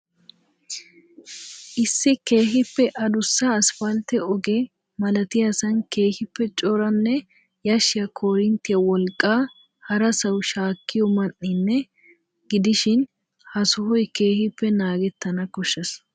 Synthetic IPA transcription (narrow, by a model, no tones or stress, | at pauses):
ʔɪsːɪke̞ːhɪpːɛʔɐd̪ʊsːɐːsfɐlt̪ɛɔɡe | mɐlɐt̪ɪjɐsɐnkeːhɪpːɛt͡ʃʼɔɾɐnːɛ | jɐʃɪjɐkʰoːɾɪnt̪ɪjɐwɔlkʼːaː | hɐɾɐsɐwʃaːkːɪjɔmɐnːɪnːɛ | ɡɪd̪ɪʃɪn | hɐsʊhɔjke̞ːhɪpːɛnaːɡɛt̪ːɐnɐkɔʃːɐs